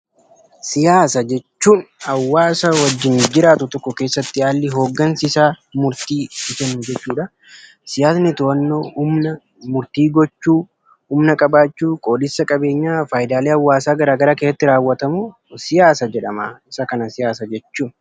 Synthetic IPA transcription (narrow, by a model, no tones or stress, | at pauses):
sɪjaːsɐd͡ʒɛt͡ʃːuːnhɐwːaːsɐwɐd͡ʒːɪnd͡ʒɪɾaːt̪ʊt̪ɔkːɔke̞ːsːɐt̪ːɪaːlːɪɦo̞ːɡːɐnsɪsaː | mʊɾt̪iːɪsɛnːʊd͡ʒɛt͡ʃːuːᶑɐ | sɪjaːsnɪt̪ʊɐnːo̞ːʊmnɐ | mʊɾt̪iːɡɔt͡ʃːuː | hʊmnɐkʼɐbaːt͡ʃːuːkʼo̞ːd̪ɪsːɐkʼɐbe̞ːɲːaːfaːjɪd̪aːleːɐwːaːsaːɡɐɾaːɡɐɾaːkeːsːɐt̪ːɪɾaːwːɐt̪ɐmuː | sɪjaːsɐd͡ʒɛᶑɐmaːɪsɐkɐnɐsɪjaːsɐd͡ʒɛt͡ʃːuːn